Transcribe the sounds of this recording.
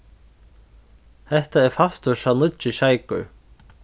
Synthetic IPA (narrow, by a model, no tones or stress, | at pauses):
θɛht̪aɛɾ̥fast̪ʏʃanʏt͡ʃʏɕaːjkʏ̰